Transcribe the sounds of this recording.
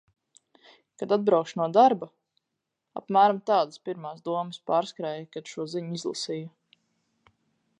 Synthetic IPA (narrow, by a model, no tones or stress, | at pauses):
kad̪ad̪̚bɾawkʃnuɔd̪aɾba | a̰pmæːɾamt̪aːd̪aspiɾmaːsd̪uɔməspaːɾskɾaːjkad̪̥ʃuɔziɲizlˠa̰sijɐ